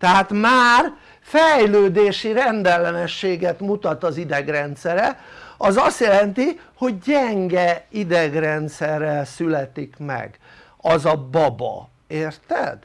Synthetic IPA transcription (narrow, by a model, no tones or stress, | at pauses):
t̪ɛɦaːt̪maːr | fɛjløːd̪eːʃiɾɛnd̪ɛlːɛnɛʃːeːɡɛt̪mut̪ɒt̪ɒzid̪ɛɡrɛnt̪sɛɾɛɒzɒst̪jɛlɛnt̪iho̞ɟɟɛŋɡɛid̪ɛɡrɛnt̪sɛrːɛlsylɛt̪ikmɛ̰ɡ | ɒzɒbɒbɒ̰ | eːrt̪ɛ̰d̪̥